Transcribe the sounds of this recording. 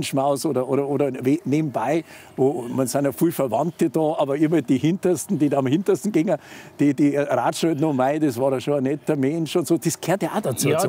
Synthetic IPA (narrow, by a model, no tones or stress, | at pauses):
nʃmaʊsoːdɐʔoːɾɐoːɾɐʋeːneːbm̩baɪ | voːmansanəfilfəɐvɑntəd̥ɑːʔɑːbɐɪmɐd̥iːhɪntɐstn̩d̥iːdamhɪntɐstn̩ɡ̥ɪŋəd̥iːd̥iːɾaːtʃɔːtnomaɪdesvɑːɾəʃoːɐnɛtɐmɛnʃʊntsoːd̥eskʰeːɐtjʔadat͡suː